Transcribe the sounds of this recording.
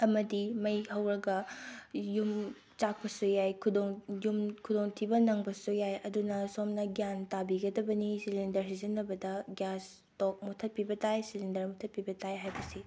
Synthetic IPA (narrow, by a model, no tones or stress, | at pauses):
ɐmɐdimɐjhɐwɾɐɡɐ | jum | t͡ʃak̚pɐsujajkʰudoŋjumkʰudoŋtʰibɐnɐŋbɐsujajɐdunɐsomnɐɡjantabiɡɐdɐbɐnisilendɐɾsizɐnːɐbɐdɐɡjas | tok̚mutʰɐt̚pibɐtajsilindɐɾmutʰɐt̚pibɐtʰajɦajbɐsi